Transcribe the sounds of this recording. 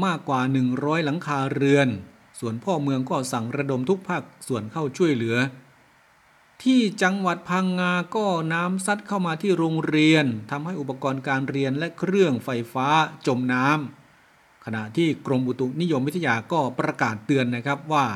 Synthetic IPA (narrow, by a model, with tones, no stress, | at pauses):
maː˥˩kwaː˨˩nɯ˨˩ŋɾɔː˦˥jla˩˦ŋkʰaː˧ɾɯ˧ən | su˨˩ənpʰɔː˥˩mɯ˧əŋkɔː˥˩sa˨˩ŋɾa˧do˧mt̪ʰu˦˥k̚pʰaː˥˩k̚su˨˩ənkʰa˥˩wt͡ɕʰu˥˩əjlɯ˩˦ɐ | t̪ʰiː˥˩t͡ɕa˧ŋwa˨˩t̪̚pʰaː˧ŋːaː˧kɔː˥˩naː˦˥msa˦˥t̪̚kʰa˥˩wmaː˧t̪ʰiː˥˩ɾoː˧ŋɾi˧ənt̪ʰa˧mha˥˩jʔu˨˩pːa˧kɔː˧nkaː˧nɾi˧ənlɛ˦˥kʰɾɯ˥˩əŋfa˧jfaː˦˥t͡ɕo˧mnaː˦˥m | kʰa˧na˨˩ʔt̪ʰiː˥˩kɾo˧mbu˨˧˩t̪u˨˩k̚ni˦˥jo˧mwt̪ʰːa˧jaː˧kɔː˥˩pɾa˧kaː˨˩t̪ːɯ˧ənːa˦˥˩kʰa˦˥p̚waː˥˩